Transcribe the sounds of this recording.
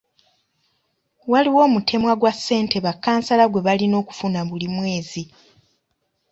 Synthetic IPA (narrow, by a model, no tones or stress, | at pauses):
waliwo̞ːmutʰe̞mwaɡwasːe̞ːntʰe̞βakːaːnsalaɡwe̞βalino̞ːku̥funaβulimwe̞ːzi